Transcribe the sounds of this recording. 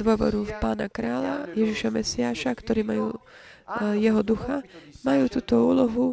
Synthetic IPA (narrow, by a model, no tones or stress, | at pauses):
d̪ʊɔʋɔ̰ɾufpaːnakɾaːlajɛʒiʃamɛsiaːʃakt̪ɔɾiːmajuː | jɛɦɔd̪uxamajuːt̪uːt̪ɔuːlɔɦu